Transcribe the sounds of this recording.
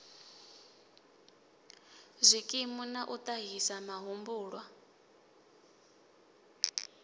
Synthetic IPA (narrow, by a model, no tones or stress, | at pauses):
zʷikʼimunaʔut̪ʼaɦisamaɦumbuːɺwa